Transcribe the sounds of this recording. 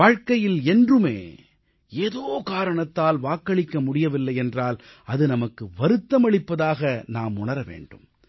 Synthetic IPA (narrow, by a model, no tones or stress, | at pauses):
aːɻkɐjɪlɛndrɯmḛː | eːðoːkaːɾɐɳɐt̪ːaːlʋaːkːɐɭɪkːɐmʊɽɪjɐʋɪlːɐjɛndraːl | ɐðɯnɐmɐkːɯʋɐɾɯt̪ːɐmɐɭɪpːɐðaːɣɐnaːmʊɳɐɾɐʋḛːɳɖɯ̰m